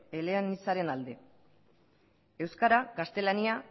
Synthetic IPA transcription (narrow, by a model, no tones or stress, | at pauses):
eleanisaɾe̞nald̪e̞ | e̞wskaɾakast̪e̞lania